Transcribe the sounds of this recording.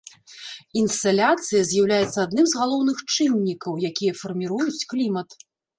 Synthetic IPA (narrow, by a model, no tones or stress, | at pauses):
inst̪alʲat̪sɨjɐzʲjawlʲajɛt̪sːɐad̪nɨmzɣalˠɔwnɨxt͡ʂɨnʲːikɐwjakʲijɐfɐrmʲiɾujut͡sʲklʲimɐt̪